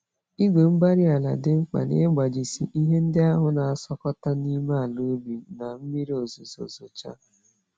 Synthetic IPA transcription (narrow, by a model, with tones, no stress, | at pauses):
i˦ɡe˨m̩˦ba˦ɾi˦a˨la̰˨dɪ˦ŋ͡m̩˦k͡pa̰˨nḛ˦ɡ͡ba˨d͡ʒi˨sḭ˨ʔi˦ɦe˦n̩˦dɪ˦a˦ɦʊ˨na˨a˨sɔ˦kɔ˦ta˦ni˦ma˦a˨lu˦bi˨na˨m̩˦mi˦ɾi˦o˨zo˨zo̰˨zo˨t͡ʃa̰˦